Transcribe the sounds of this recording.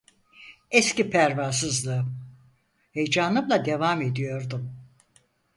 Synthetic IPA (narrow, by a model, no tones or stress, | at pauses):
escipʰæɾvasɯzlˠɯ | hejd͡ʒaːnˠɯmlˠad̪e̞vaːme̞d̪ijo̞ɾd̪um